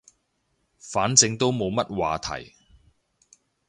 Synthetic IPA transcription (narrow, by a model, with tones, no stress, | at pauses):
faː˨˥nt͡sɪ˧ŋt̪o˥wmo˨˧wmɐ˥t̚wa̰ː˨t̪ʰɐ̰˨˩j